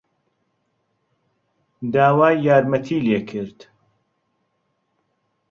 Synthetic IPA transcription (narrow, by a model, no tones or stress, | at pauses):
d̪aːwaːjːaːɾmɐt̪ʰiːleːkʰɨɾd̪